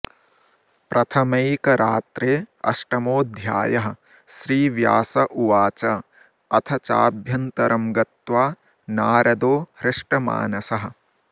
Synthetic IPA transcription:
pɾɐt̪ʰɐmɐjkɐɾaːt̪ɾeːɐ̰ʂʈɐmoːd̪ʱja̰ːjɐɦɐ̆ | ʃɾiːʋja̰ːsɐʔuʋaːt͡ʃɐ | ɐt̪ʰɐt͡ʃaːbʱjɐnt̪ɐɾʔɐmɡɐt̪ʋaː | naːɾɐd̪oːhɾɪʂʈɐma̰ːnɐsɐɦɐ̆

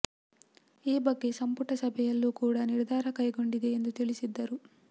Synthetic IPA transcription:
iːbɐɡːe̞sɐmpuʈɐsɐbʱɛjɐlːuːkuːɽaniɾd̪ʱaːɾɐkɐjɡo̞ɳɖid̪e̞ːnd̪ut̪iɭisid̪ːɐɾu

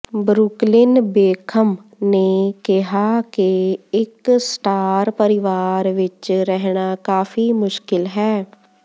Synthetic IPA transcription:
bɾuklɪnbeːkʰəmneːkɪɦaːkeɪksʈaːɾpəɾɪʋaːɾʋɪt͡ʃɾɛɦɳaːkaːfʰiːmʊʃkɪlɦɛː

